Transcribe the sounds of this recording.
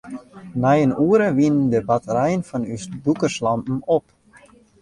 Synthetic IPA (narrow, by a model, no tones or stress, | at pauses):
najənuːɾəʋindəbatʰəɾɛjənfɔnysdukəslɑmpn̩op